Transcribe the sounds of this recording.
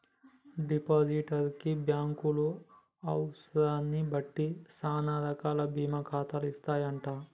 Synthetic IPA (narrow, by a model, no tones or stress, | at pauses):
ɖipaːd͡ʒiʈɐɾkibjaːŋkulu | ɐwsɐɾaːnːibɐʈːisaːnaːd̪ʱɐkaːlɐbiːmɐkʰaːt̪aːlist̪aːjɐɳʈaː